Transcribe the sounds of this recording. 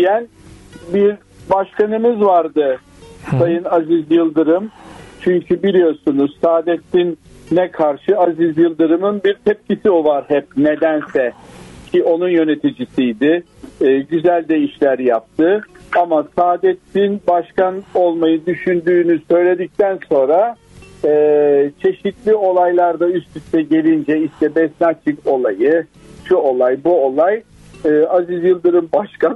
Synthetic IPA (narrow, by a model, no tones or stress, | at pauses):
jæn | biɾ | baʃkanɯmɯzvaɾd̪ɯ | sajɯnazizjɯlˠd̪ɯɾɯmt͡ʃʰyɲcʰybilʲijo̞ɾsunuzsaːd̪ɛt̪ːinːɛkʰaɾʃɯazizjɯlˠd̪ɯɾɯmɯnbiɾt̪ʰɛp̚cisiolˠaɾhɛp̚ned̪ænsɛcʰiʔo̞nunjø̞ne̞t̪ʰid͡ʒisijd̪ɪ | ɟyzælʲd̪ɛiʃlʲæɾjap̚t̪ʰɯamasaːd̪ɛt̪ːinbaʃkano̞lˠmajɯd̪yʃynd̪yːnysø̞jlʲe̞d̪ic̚t̪ʰænso̞nɾaː | t͡ʃʰe̞ʃit̪lʲio̞lˠajlˠaɾd̪ayst̪t̪ʰyst̪ʰɛɟe̞lʲind͡ʒɛiʃt̪ʰɛbɛsnat͡ʃʰiko̞lˠajɯ | ʃuo̞lˠajbuo̞lˠaj | ɯːazizjɯlˠd̪ɯɾɯmbaʃka